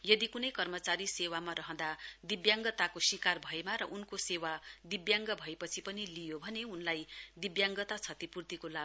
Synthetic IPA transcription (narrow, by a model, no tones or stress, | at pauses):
jʌd̪ikunʌjkʌrmʌt͡saɾisewamaɾʌɦʌ̃d̪ad̪ibjaŋɡʌt̪akosikarbʱʌemaɾʌʔunkosewad̪ibjaŋɡʌbʱʌepʌt͡sʰipʌnilijobʱʌneunlajd̪ibjaŋɡʌt̪at͡sʰʌt̪ipurt̪ikolab